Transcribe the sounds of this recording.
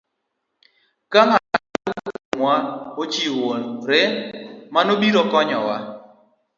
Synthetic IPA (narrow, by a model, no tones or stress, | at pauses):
kamakamwaot͡ʃiwonɾɛmanobiɾɔkɔɲɔwa